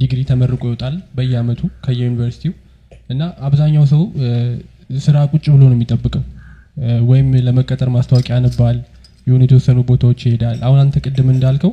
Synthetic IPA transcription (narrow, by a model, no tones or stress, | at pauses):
d̪iɡɨd̪it̪ʰəmərːɨkʼojwɔt̪ʼalbəjːɛamət̪ʰukʰəjɛjunivəɾsi̥t̪ʰiu | ʔɨnːaʔaβzaɲːawsəw | sɨɾakʼut͡ʃʼːbɨlonomːit̪ʼːəbːɨkʼəw | wɔjɪmləməkʼːət̪ʼəɾmast̪ʰəwakʼianːɨbal | jɛhunjɛt̪ʰəwɔsːənubo̞t̪ʰawot͡ʃːjɪhe̞d̪alːʔahunant̪ʰəkʼɨd̪ːɨmɨnd̪alkʰəw